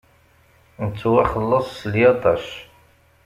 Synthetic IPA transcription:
nət͡sːuwæχəlːəsˤːəljɑt̪ˤɑʃ

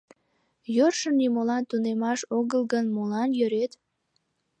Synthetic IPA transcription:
jørʃənːimolɑnt̪unemɑʃoɣəlɣənmolɑnjøɾet̪

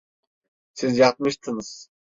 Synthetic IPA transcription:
sizjɑt̪̚mɯʃt̪ʰɯŋɯz̥

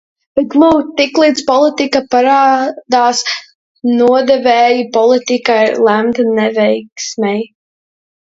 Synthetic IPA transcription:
b̥ɛt̪ɡmuwt̪iklˠiːt̪spɔlˠit̪ikapaɾaːd̪aːs | nuɔd̪ɛvɛːjipɔlˠit̪ikajlˠæmt̪nɛvɛjksmɛj

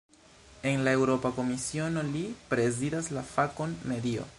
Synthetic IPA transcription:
e̞nlae̞wɾo̞pako̞misio̞no̞lipɾe̞zid̪aslafako̞nme̞dio̰

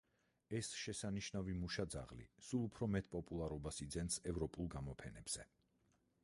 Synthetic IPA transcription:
ɛsʃɛsaniʃnavimuʃad̪za̰ʁlḭsulˠupʰɾɔmɛt̪̚ʰʼpʼɔpʼulˠaɾɔbasid̪zɛnsɛvɾɔpʼulˠɡamɔpʰɛnɛb̥z̥ɛ

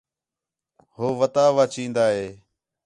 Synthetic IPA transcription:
hoːʋət̪aːʋaːt͡ʃĩːnd̪aːɦeː

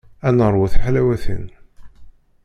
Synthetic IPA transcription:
ænəɾˤwuθħalæwæθə̰n

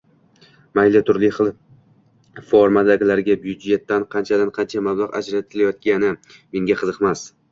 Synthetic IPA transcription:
majlɪt̪ʰʊɾlɪχɨlˠ | foɾmad̪aɡʲɪlaɾɡʲabjʊd͡ʒe̞t̪ːanqʰɑnt͡ʃʰad̪anqʰɑnt͡ʃʰamablˠaʁa̰d͡ʒɾat̪ʰɪlajɒt̪̚ɡʲanɪ | me̞ŋɡʲaqʰɨzɨqmas

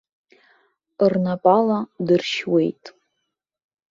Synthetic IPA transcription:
rnapʼaladɨrʃwe̞jtʼ

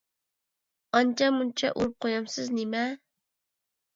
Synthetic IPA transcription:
ɑnt͡ʃɑmunt͡ʃʰɑ̰ʔṵɾup̚qojɑmsɪznɪmɛ

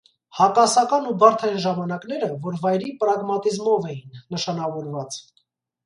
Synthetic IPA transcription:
hɑkɑsɑkɑnubɑɾt̪ʰɑjnʒɑmɑnɑkn̪ɛɾəvɔɾvɑjɾipɾɑɡmɑt̪izmɔvɛjinːəʃɑnɑvɔɾvɑt͡s

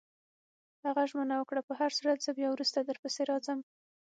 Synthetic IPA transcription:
haɣaʒmənawəkɽapəɦaɾsuɾad̪zəbjɑwɾust̪ad̪əɾpəseɾɑzəm

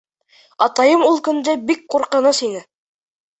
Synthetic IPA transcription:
ɑt̪ɑjɤmulˠkɵ̆nd̪æbik̚quɾqɤ̆nɤsinɘ

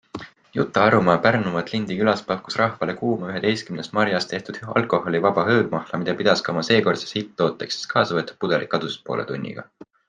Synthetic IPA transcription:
jut̪ːˑɑɑɾumɑpærnumɑet̪ˑlind̪ikylɑspɑkːˑu̥srɑhvɑle̞kuːmɑyɦe̞t̪e̞jst̪kymnest̪mɑɾjɑst̪e̞ht̪ud̪̥ɑ̰lkˑo̞ho̞livɑb̥ɑɦɤːd̥̚mɑhlɑmid̪̥ɑpid̪̥ɑskɑomɑse̞ːko̞rt̪se̥shit̪ˑːo̞ːt̪ːˑeksi̥skʰɑːsɑvɤt̪ːˑu̥p̚pud̥̪e̞lʔikːˑɑd̪̥uspo̞̰ːlḛt̪ṵnʲːḭɡ̥ɑ̰

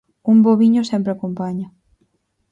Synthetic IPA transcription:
umboβiɲʊsempɾeakompaɲɐ

